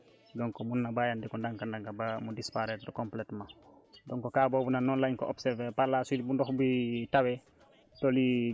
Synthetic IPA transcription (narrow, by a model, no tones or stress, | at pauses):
dɔŋkomunːabajandikɔndaŋkandaŋkabamudispaɾetdɔkompletma | dɔŋkokaːboːbunanːɔnlajŋkɔ̰ʔo̰bsɛɾvepalasidibundɔxbitawe | toli